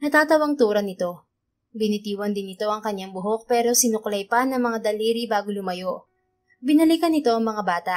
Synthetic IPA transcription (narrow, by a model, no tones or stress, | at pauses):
nɐt̪aːt̪ɐwɐŋt̪uːɾɐnɪt̪o̞ | bɪnɪt̪iːwɐnd̪ɪnɪt̪o̞ʔɐŋkɐɲjaŋbʊɦo̞k̚pɛːɾo̞sɪnʊklɐjpɐnɐŋmɐŋad̪ɐliːɾibaːɡolʊmɐjo̞ʔ | bɪnɐlikɐnɪt̪o̞ʔɐŋmɐŋabaːt̪ɐʔ